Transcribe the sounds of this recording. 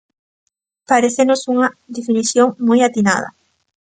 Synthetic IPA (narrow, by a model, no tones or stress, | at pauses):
paɾeθenosuŋad̪efiniθjoŋmojat̪ina̰ð̞a̰